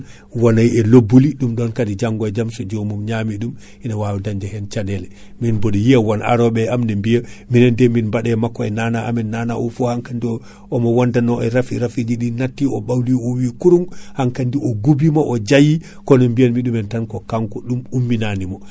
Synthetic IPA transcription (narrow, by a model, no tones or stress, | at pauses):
wanajɛlobːuliɗumɗɔnkadid͡ʒaŋɡɔɛd͡ʒamsɔd͡ʒɔmumɲaːmiɗum | ʔinawawɛdaɲd͡ʒɛhɛnt͡ʃaɗɛlɛ | minboɗijijawana̰ɾɔɓɛamnɛmbijaminɛndɛminbaɗɛmakːɔɛnanaʔamɛnːaːna̰ʔɔfɔhaŋkandiɔ | ɔmɔwandanɔɛɾafiɾafid͡ʒiɗinatːiɔɓawliɔwikuɾumhaŋkandiʔɔɡubimaʔɔd͡ʒaji | kɔnɔmbijanmiɗumɛntankɔkaŋkɔɗumumːinanimɔ